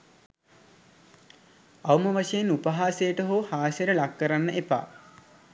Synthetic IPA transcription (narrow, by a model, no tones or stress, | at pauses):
awməʋaʂejenupəɦaːsejəʈəɦoːhaːsjəɾəlakːəɾanːəʔepa̰ː